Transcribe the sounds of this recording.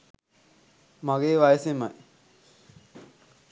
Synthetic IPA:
maɡeːʋajsema̰j

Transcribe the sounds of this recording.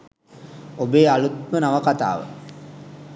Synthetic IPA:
obeːalut̪mənaʋɐkat̪a̰ːʋə̰

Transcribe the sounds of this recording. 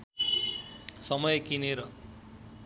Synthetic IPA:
sʌmʌjekineɾʌ

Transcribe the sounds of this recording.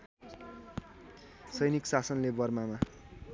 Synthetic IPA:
sʌjniksasʌnlebʌrmama

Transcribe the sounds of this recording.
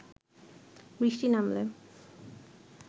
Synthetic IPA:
bɾiʃʈinamle

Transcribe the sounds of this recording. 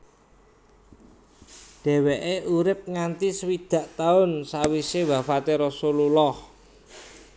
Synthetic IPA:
ɖ̥ɛ̤weʔeʔuɾɪp̚ŋant̪isəwid̪̥ä̤ʔt̪aʊnsawisewafat̪eɾɔsululɔh

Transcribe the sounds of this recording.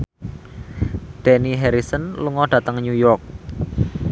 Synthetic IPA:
ɖ̪̥ɛniɦɛɾisənluŋɔɖ̥ä̤t̪əŋɲujɔrk̚

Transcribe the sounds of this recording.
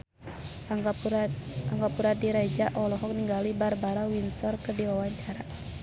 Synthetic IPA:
aŋɡapuɾadiɾad͡ʒaʔɔlɔɦɔk̚niŋɡalibarbaɾawinsɔrkərdiwawaɲt͡ʃaɾa

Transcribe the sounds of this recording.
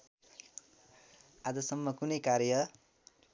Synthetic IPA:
ad͡zʌsʌmːʌkunʌjkaɾjʌ

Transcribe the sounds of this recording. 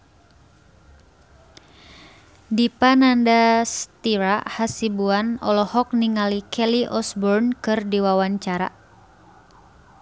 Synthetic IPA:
dipanandast̪iɾahasibuanɔ̰lɔhɔk̚niŋalikʰɛliʔɔsbɔrnkɨrdiwawaɲt͡ʃaɾa̰

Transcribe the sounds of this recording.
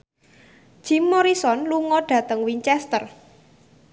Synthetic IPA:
ʒ̥imːoɾisɔnluŋɔɖ̥ä̤t̪əŋwiɲt͡ʃɛst̪ər

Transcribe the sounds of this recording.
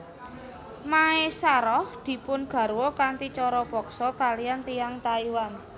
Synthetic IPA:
maesaɾɔhd̪̥i̤pʊnɡ̥a̤ɾwɔkant̪it͡ʃɔɾɔb̥ɔ̤ksɔkalijant̪ijaŋt̪aiwan

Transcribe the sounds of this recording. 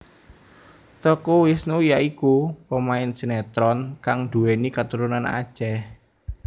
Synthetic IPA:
t̪ɔkuwɪsnujaikupəmaɪnsinɛt̪ɾɔnkaŋd̪̥ṳenikat̪uɾunana̰̥ʒ̥ɛh

